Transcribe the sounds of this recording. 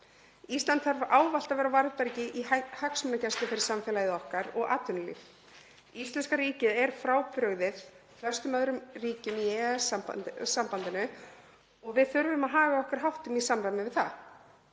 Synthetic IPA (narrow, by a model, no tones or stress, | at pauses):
ist̪lant̪haɾvaːwvalt̪avɛːɾawvaɾðpɛɾcɪʔihaksmʏnacɛst̪ɪfɪɾɪ̥samfɛlajɪðɔhkaɾɔɣa̰ːt̪ʏnʏlḭf | ist̪lɛnskaɾiːcɪðɛɾ̥fɾaːwpɾœɣðɪð | flœ̥st̪ʏmœðɾʏmriːcʏmiɛɣa̰sampant̪ɪnʏ | ɔɣvɪðθʏɾvɪmaðɦaːɣaɔhkaɾ̥ɦawht̪ʏmisamɾamɪvɪðθa̰